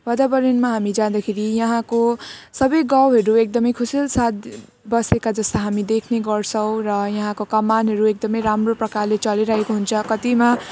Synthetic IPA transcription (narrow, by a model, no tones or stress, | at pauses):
bʌd̪abʌɾʌnmaɦamid͡zãd̪akʰeɾijʌɦãkosʌbʌjɡawɦʌɾuek̚d̪ʌmʌjkʰusilsat̪̚ | bʌsekad͡zʌst̪aɦamid̪ekʰneɡʌrt͡sʰʌw̃rʌjʌɦãkokʌmːanɦʌɾuek̚d̪ʌmʌjɾamroprʌkarlet͡sʌleɾʌɦekoɦunt͡sʰʌkʌt̪ima